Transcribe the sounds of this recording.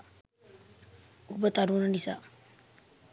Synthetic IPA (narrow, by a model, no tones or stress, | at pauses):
ubət̪aɾunənisa̰